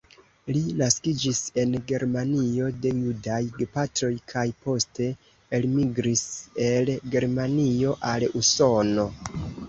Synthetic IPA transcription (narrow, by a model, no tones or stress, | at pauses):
linaskid͡ʒise̞nɡe̞ɾmanio̞de̞judajɡpatɾo̞jkʰajpo̞ste̞ː | lmiɡɾise̞lɡe̞ɾmanio̞ʔaluso̞no̞